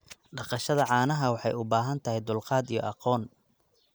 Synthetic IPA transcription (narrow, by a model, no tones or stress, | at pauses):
ɖɑqɑʃɐðɐʕɑːnɐɦɐwɑħɑ̰jʊbaːɦɐnt̪ʰɐhɛjd̪ʊlqɑːd̪ijɔ̰ʔɑqɔːn